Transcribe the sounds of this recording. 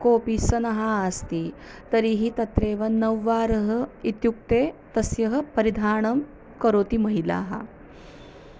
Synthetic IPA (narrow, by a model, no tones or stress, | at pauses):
koːpisɐnɐɦaːst̪i | t̪ɐɾiɦit̪ɐt̪ɾeːʋɐnɐʋːaːɾɐɦɐit̪juk̚t̪eːt̪ɐsjɐɦɐ̆pɐɾid̪ʱaːɳɐm | kɐɾoːt̪imɐɦila̰ːɦɐ̰